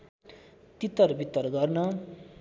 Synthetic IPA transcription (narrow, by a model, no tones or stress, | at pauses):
t̪it̪ʌrbʱit̪ʌrɡʌrnʌ